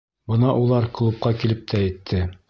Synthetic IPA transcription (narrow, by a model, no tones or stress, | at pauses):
bɤ̆nɑʔulˠɑɾklˠup̚qɑkilɘp̚t̪ʰæːjt̪ʰːɘ